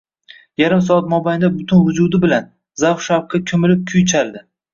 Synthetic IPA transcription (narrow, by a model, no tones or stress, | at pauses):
jaɾɪms̬ɒɑt̪̚mɒbajnd̪abʊt̪ʰʊnvʊd͡ʒʊd̪ɪbɪlan | zawχʃawqʰɑkʲʰɵmɪlɪp̚kʲʰʊjt͡ʃʰald̪ɪ